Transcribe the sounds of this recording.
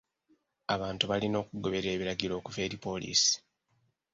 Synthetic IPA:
aβaːntuβalino̞ːkuɡo̞βe̞ɾe̞ːβiɾaɡiɾo̞ːkuve̞ːɾipo̞lḭːsi̥

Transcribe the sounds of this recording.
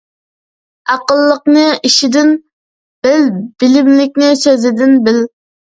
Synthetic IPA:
ɑqəlˠːəqnɨiʃid̪ɪn | b̥ɪlbɪlɪmlɪk̚ʲnɪsøzɪd̪ɪnbɪl

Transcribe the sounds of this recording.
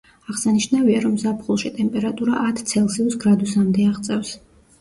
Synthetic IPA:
aʁsaniʃnaviaɾɔmzapʰχulˠʃit̪ʼɛmpʼɛɾat̪ʼuɾaʔat̪ʰt̪sʰɛlˠsiusɡɾad̪usamd̪ɛaʁt̪sʼɛfs

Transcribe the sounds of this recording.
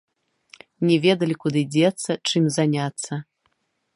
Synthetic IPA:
nʲɛvʲɛd̪ɐlʲikud̪ɨd͡zʲɛt̪sːɐt͡ʂɨmzanʲat̪sːɐ

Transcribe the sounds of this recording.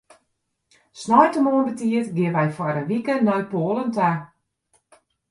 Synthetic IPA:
snɔjtəmoənbətiətɡɪəʋɛjfwɔɾəʋikənɔjpoːlənta

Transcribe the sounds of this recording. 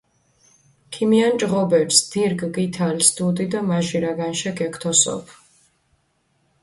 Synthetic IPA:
kʰimiant͡ʃʼʁɔbɛɾsd̪̥iɾɡɡit̪ʰalsd̪ud̪id̪amaʒiɾaɡanʃɛkʰʼɛkʰt̪ʰɔsɔ̰pʰ

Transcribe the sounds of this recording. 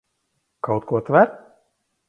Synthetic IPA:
kawt̪kuɔt̪væɾ

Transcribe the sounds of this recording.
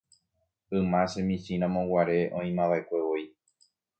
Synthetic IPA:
ɨmãsemĩsĩɾ̃ãmõwaɾe̞ʔõĩmãʋaekʷe̞ʋoi

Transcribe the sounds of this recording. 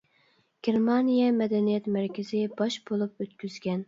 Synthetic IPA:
ɡ̥ʲeɾmɑnijɛmɛd̪ɛnijɛt̪mæɾkʲɪzɪbɑʃbolˠupøt̪̚kʲyz̥ɡʲɛn

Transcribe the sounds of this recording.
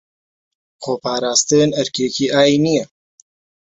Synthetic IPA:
xoːpaːɾaːst̪ɨnɐɾkʰeːkʰiːʔaːinijɛ

